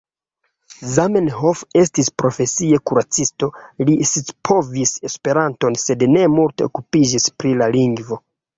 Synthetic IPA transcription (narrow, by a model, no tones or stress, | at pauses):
zamenhofe̞stispɾo̞fe̞sie̞kuɾat͡sisto̞lisispʰo̞vise̞spe̞ɾanto̞nse̞dne̞multe̞okupid͡ʒispɾilaliŋɡvo̞